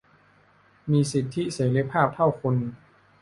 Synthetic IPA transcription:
miː˧si˨˩t̪ʰːi˦˥seː˩˦ɾi˧˦˥pʰaː˥˩p̚t̪ʰa˥˩wkʰu˧n

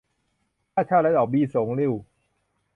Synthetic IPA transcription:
aː˥˩t͡ɕʰaː˥˩lɛ˦˥˩ʔɔː˨˩biː˧so˨˩˦ŋli˧˩w

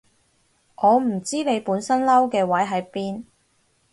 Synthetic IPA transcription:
ŋʔɔː˨˧m̩˨˩t͡siː˥ne˨˧jpuː˨˥nsɐ˥nlɐ˥wkɛː˧wɐ˨˥jɦɐ˨˥jpiː˥n

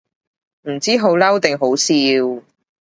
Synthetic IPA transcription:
m̩˨˩t͡siː˥ɦo˨˥wlɐ˥wt̪ɪ˨ŋɦo˨˥wsiː˧w

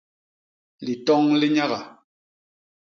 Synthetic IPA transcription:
li˨tɔ˦ŋli˦ɲa˦ɣa˨

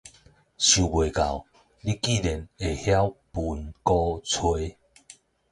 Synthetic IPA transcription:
ɕju˨˩bwe˨˩ka˨˩w | li˦ki˥˨lɛ˨ne˨˩hja˦wpu˨˩nkɔ˦t͡sʰwe˧˦

